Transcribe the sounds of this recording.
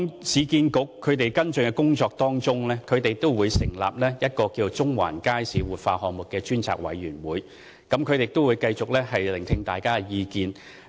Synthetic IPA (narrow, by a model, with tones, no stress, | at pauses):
sʰiː˨˧kiː˧nkʊ˨˥kʰːɵ˨˧ɥt̪e˨jkɐ˥nt͡ʃɵ˨nkɛ˧kʊ˥ŋt͡sɔː˧k̚t̪ɔː˥ŋt͡ʃʊ˥ŋlɛː˥kʰɵ˨˧ɥt̪e˨jt̪o˥wwuː˨˧jsɪ̰˨˩ŋla̰ː˨p̚lɛː˥jɐ˥t̚kɔː˧kiː˧t͡sʊ˥ŋwa̰ː˨˩nkaː˥jsiː˨˥wuː˨˩t̚fa̰ː˧hɔː˨ŋ̚mʊ˨k̚ːɛː˧t͡ʃyː˥nt͡sʰa̰ː˨k̚wɐ̰˨˥jːyː˨˩nwuː˨˧j | kɐ˨˦˥mkʰɵ˨˧t̪e˨t̪o˥wu˨˧jkɐ˧jt͡sʊ˨k̚lɛː˥hɐ˨jlɪ˨˩ŋt̪ʰɪ˧ŋt̪a̰ː˨jkaː˥˧jiː˧kiː˧n